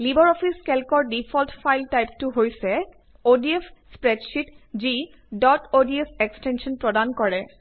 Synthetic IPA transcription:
libɔɹɔpʰiskɛlkɔɹdipʰɔltfʰajltajptuɦojsɛ | odiefspɹɛdʃitzi | dɔtodiesekstɛnsɔnpɹɔdankɔɹɛ

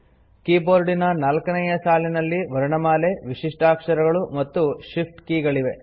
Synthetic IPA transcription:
kiːboːɾɖinɐnaːlkɐnɛjɐsaːlinɐlːiʋɐɾɐɳɐmaːle̞ʋiʂiʂʈʰaːkʂɐɾɐɡɐɭumɐt̪ːuʂipʈkiːɡɐɭiʋe̞

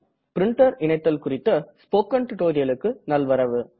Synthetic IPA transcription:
pɪɾɪɳʈɐɾɪɳɐɪt̪ːɐlkʊrɪt̪ːɐspoːkːɐɳʈɪʈoːɾɪjɐlɯkːɯnɐlʋɐɾɐʋɯ

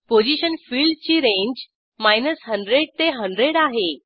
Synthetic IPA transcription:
pod͡ʑiɕənfiːɭɖt͡ɕiːɾẽɲd͡ʑ | majnəsɦəɳɖɾeɽ̚t̪eɦəɳɖɾeɽaɦe

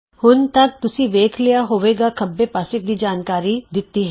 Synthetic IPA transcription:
hʊnt̪ək̚t̪ʊsĩːʋeːkʰlɪjaːɦoːʋeːɡaːkʰəbːeːpaːsɪk̚d̪iːd͡ʒaːnkaːɾiːd̪ɪt̪ːiːɦɛ

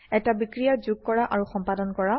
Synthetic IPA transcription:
ɛtabikɹijazuɡ̚kɔɹaʔaɹuxɔmpadɔnkɔɹa

